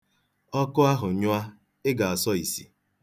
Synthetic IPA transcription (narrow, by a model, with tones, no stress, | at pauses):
ɔ˦kʊ˦a˦ɦʊ˨˦ɲʊ˦a˦ | ɪ˦ɡa˨a˨sɔ˦i˨sḭ˨